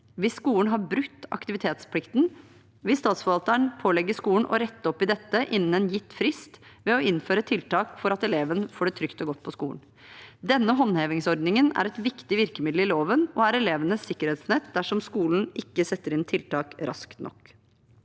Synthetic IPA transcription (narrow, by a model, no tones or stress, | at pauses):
ʋɪsːkuːənɦɑɾbɾʉkt̪ːɑ̰kt̪ɪʋɪt̪ʰeːt̪spʰlɪkt̪n̩ | ʋɪlst̪ɑːt̪sfɔʋɑlt̪əɳpʰoːlɛɡːəʂkuːəɳ̩ʔɔ̰ɾɛt̪ːəɔpːɪd̪ɛt̪ːəʔɪnːn̩ɛnjɪt̪ːfɾɪst̪ʋɛɔɪnføːɾət̪ʰɪlt̪ʰɑːkfɔɾɑt̪ɛleːʋənəfoːɖɛːt̪ʰɾʏkt̪ɔɡɔt̪̚ːpʰɔskṵːɳn | d̪ɛnːəɦɔnheːʋɪŋsɔɾd̪nɪŋənæ̰ɾɛt̪ʋɪkt̪ɪʋɪɾkəmɪd̪l̩ɪloːʋənɔæɾɛleːʋənəsːɪkːəɾeːt̪snɛt̪d̪æʂɔmskuːln̩ʔɪkːəsɛt̪ːəɾɪnt̪ʰɪlt̪ɑːkɾɑ̰skt̪nʔɔ̰k